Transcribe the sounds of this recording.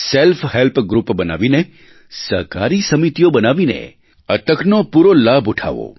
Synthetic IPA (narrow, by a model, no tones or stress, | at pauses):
selfʰɦelpɡɾupbəna̰ʋine | sə̰ɾka̰ɾisəmit̪ijobənaʋinḛ | ət̪əkʰnopuɾolabuʈʰa̰ʋo̰